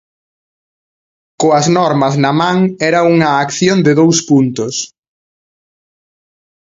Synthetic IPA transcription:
koɐznɔɾmɐznɐmãŋɛɾɐuŋɐːkθjond̪ɪðowspunt̪ʊs

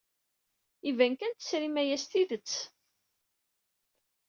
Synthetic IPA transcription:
ivænkænt̪ə̥sɾimæjæst̪iðət͡sː

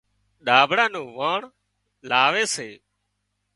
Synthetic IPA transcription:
ɗaːbʱɽãːnũːʋãːɳ | laːʋeːseː

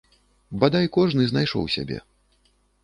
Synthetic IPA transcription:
bad̪ajkɔʐnɨznajʂɔ̰wsʲa̰bʲɛ̰

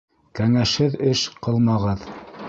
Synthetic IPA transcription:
kæŋæʃhɘðɘʃqɤlˠmɑʁɤð

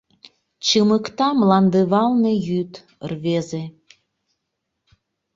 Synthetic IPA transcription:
t͡ɕəməkt̪ɑmlɑnd̪əβɑlnejyt̪ | ərβeze

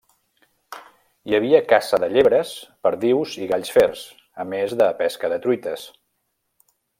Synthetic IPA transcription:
jəβ̞iəkasəðəʎeβɾəspəɾðiwziɣaʎsfɛrs | əmezðəpɛskəðət̪ɾuit̪əs

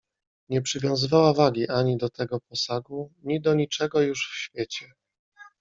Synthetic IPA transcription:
ɲɛpʂɘvʲjɔ̃w̃zɘvawavaɡʲiʔaɲid̪ɔt̪ɛɡɔpɔsaɡuɲid̪ɔɲit͡ʂɛɡɔjuʂfɕfʲjet͡ɕɛ

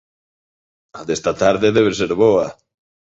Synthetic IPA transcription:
aðest̪at̪aɾðeðeβeɾseɾβoa

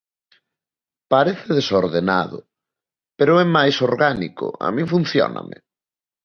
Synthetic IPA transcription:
paɾeθɪðesoɾðena̰ðʊ̰ | peɾʊɛmajsoɾɣanḭkʊ̰a̰mĩŋfunθjɔ̰na̰mɪ̰

